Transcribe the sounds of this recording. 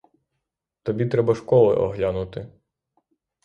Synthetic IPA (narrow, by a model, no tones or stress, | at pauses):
t̪ɔbʲit̪ɾɛbɐʃkɔlˠɪ̰ʔɔ̰ɦlʲanʊt̪ɪ